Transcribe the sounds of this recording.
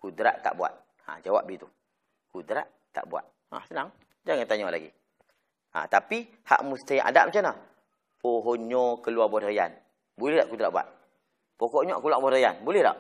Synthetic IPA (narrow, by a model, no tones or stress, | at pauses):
kudɾa̰ʔt̪a̰ʔbua̰t̪̚ | ã̰d͡ʒawa̰p̚ɡit̪u | kudɾa̰ʔ | t̪a̰ʔbua̰t̪̚ha̰sənaŋ | d͡ʒaŋant̪aɲɔʔla̰ɡḭ | a̰t̪api | ha̰ʔmust̪iʔa̰daʔmat͡ʃana | poɦoɲɔkəluabɔt̪aja̰n | bulɛhdaʔkudɾa̰ʔbua̰t̪̚ | pokoʔɲɔʔkulaʔbɔtajanbulɛhda̰ʔ